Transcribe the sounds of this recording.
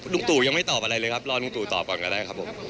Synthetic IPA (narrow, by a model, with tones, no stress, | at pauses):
nu˥˧˩ŋt̪uː˨˩ja˧ŋma˥˩jt̪ɔː˨˩pʔa˧ɾa˧jlɤː˧jkʰa˦˥p̚lɔː˧nu˧˩ŋt̪uː˨˩t̪ɔ̰ː˨˩p̚kɔː˨˩nka˧daː˥˩jkʰa˦˥pʰo˨˩˦m